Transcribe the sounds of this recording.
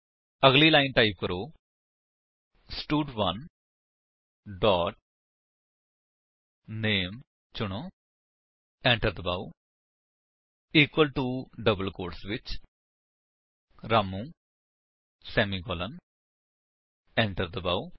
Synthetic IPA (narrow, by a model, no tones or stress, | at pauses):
əɡliːlaːɪnʈaːɪp̚kəɾoː | sʈuːɖʋɐn | ɖɔːʈ̚ | neːm | t͡ʃʊɽ̃oː | ɛ̃ɳʈəɾd̪əbaːu | iːkwəlʈuːɖəbəlkoːɾʈsʋɪt͡ʃ | ɾaːmũː | sɛːmiːɡɔːlən | ɛ̃ɳʈəɾd̪əbaːu